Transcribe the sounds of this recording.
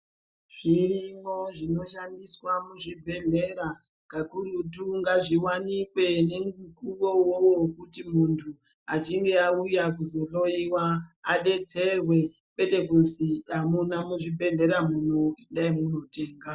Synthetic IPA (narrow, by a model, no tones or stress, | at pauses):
ʐ̥irimoʐino̞ʃandiswamuʐibʱe̞ɮe̞ɾa | kakuɾutuŋɡaʐiwanikwe̞ne̞mɡukuʋo̞wowokutimuntʰu | at͡ʃiŋɡe̞aujakuzo̞lo̞iwaːɗe̞t͡se̞rwe̞ | kwe̞te̞kunziamunamuʐibʱe̞ɮe̞ɾamunoenɗaimuno̞te̞ːŋɡa